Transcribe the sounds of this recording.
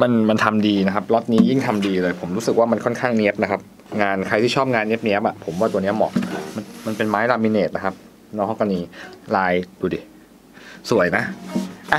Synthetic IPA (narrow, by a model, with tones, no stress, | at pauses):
ma˧nma˧nt̪ʰa˧mdiː˧na˦˥kʰa˦˥p̚lɔ˦˥t̪̚niː˦˥ji˥˩ŋt̪ʰa˧mdiː˧lɤː˧jpʰo˩˦mɾu˦˥sɯ˨˩k̚waː˥˩ma˧nkʰɔ˥˩nkʰaː˥˩ŋni˦˥əp̚na˦˥kʰa˦˥p̚ | ŋaː˧nkʰa˧jt̪ʰiː˥˩ɔː˥˩p̚ŋaː˧nːi˦˥p̚ni˦˥əp̚ʔa˨˩pʰo˩˦mwaː˥˩u˧ni˦˥ɐmɔ̰˨˩k̚ma˧nma˧npe˧nmaː˦˥jlaː˧mːi˧neː˨˩t̪̚na˦˥kʰa˦˥p̚ | nɔː˧˥kɔ˥˩ka˧niː˧laː˧jduː˧˩di˨˩ | su˨˩˦ə˦jna˦˥ʔa˧˩